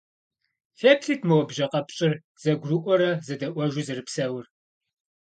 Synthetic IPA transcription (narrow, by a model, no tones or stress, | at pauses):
fektʰiːtʰmɐwɔbʒɐqɐpɕʼɪr | z̥ɐɡʷrɨʔʷɔɾɐzɐdɐʔʷɔʒʷʊzɨrɨpsɐwʊr